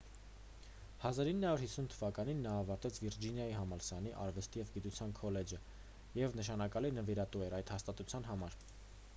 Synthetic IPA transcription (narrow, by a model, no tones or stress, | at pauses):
hɑzɑɾinːəhɑuɾhisːunt̪ʰəvɑkɑninːɑːvɑɾt̪ɛt͡sʰviɾd͡ʒinjɑjiɦɑmɑlsɑniʔɑ̰ɾvɛst̪ijɛvɡit̪ut͡sʰjɑnkʰɔlɛd͡ʒə | jɛvnəʃ̬ɑnɑkɑlinəviɾɑt̪uɛɾɑjd̪hɑst̪ɑt̪ut͡sʰjɑn̪ɦɑmɑɾ